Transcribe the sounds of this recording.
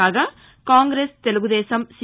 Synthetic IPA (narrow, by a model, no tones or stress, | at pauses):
aːɡɐ | kaːŋɡɾeːst̪eluɡud̪eːsɐms